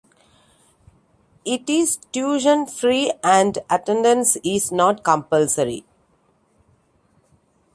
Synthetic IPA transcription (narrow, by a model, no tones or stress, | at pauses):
ɪʈizʈjuːʒə̃nfɾiːæ̃ɳɖəʈẽɳɖə̃nsɪznɔːʈkə̃mpəlsəɾḭ